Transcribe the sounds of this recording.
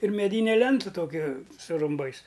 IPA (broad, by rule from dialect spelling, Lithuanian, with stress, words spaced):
ɪr mʲɛˈdʲiːnʲɛ ˈlʲɛntʊ ˈtoːkʲɪ sʊ rʊmˈbɐɪs